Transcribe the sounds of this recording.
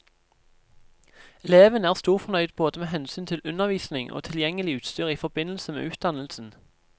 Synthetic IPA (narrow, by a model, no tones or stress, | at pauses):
ɛleːʋənæːʁst̪uːʁfɔʁnœʏd̪boːd̪əmeːhɛnsyːnt̪ʰɪlʉnəʁʋiːsnɪŋʔo̰ːt̪ʰɪljɛŋəlɪʉːt̪st̪yːʁiːfɔbɪnəl̩səmḛːʔʉːt̪̚d̪ɑnəlsn̩